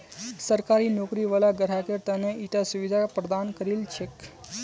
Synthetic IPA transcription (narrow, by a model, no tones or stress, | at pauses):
səɾkaɾinokɾiʋəlaɡəɾakeɾt̪aneʔiʈasuʋid̪ʱapɾəd̪ankəɾilt͡ʃʰek